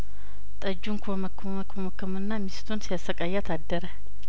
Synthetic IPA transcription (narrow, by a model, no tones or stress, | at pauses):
t̪ʼɐd͡ʒuŋkʰumɐkː | mɐkumɐkːɐmɨnːamist̪ʰonsjasɐkʼajːat̪ʰadːɐɾɛ